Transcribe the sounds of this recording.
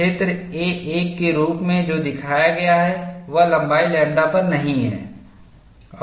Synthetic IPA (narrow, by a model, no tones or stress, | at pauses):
et̪ɾeːeːkːeɾuːpmẽd͡ʒoːd̪ɪkʰaːjaɡɐjaɦɛʋɐlɐ̃mbaːilɛ̃ːɳɖapɐɾnɐɦĩɦɛ̰ː | ɔː